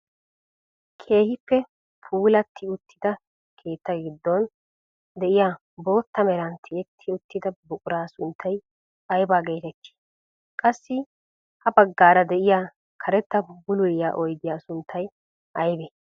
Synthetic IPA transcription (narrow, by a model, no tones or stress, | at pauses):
kʰe̞ːhɪpːɛ | pʰuːlɐt̪ːɪʊt̪ʰːɪd̪ɐ | kʰe̞ːt̪ːɐɡɪd̪ːɔn | d̪ɛʔɪjaː | bo̞ːt̪ːɐmɛɾɐnt̪ʰɪjɛt̪ʰːɪʊt̪ːɪd̪ɐbʊkʼʊɾaːsʊnt̪ʰːɐj | ɐjbaːɡe̞ːt̪ɛt̪ːi̥ː | kʼɐsːɪ | hɐbɐɡːaːɾɐd̪ɛʔɪjaː | kʰɐɾɛt̪ːɐbʊlʊjjaːʔɔjd̪ɪjaːsʊnt̪ʰːɐj | ʔɐjbɛ